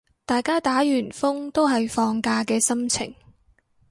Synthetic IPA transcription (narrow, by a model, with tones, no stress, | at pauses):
t̪aː˨jkaː˥t̪aː˨˥jyː˨˩nfʊ˥ŋt̪o˥wɦɐ˨jfɔː˧ŋkaː˧kɛː˧sɐ˥mt͡sʰɪ̰˨˩ŋ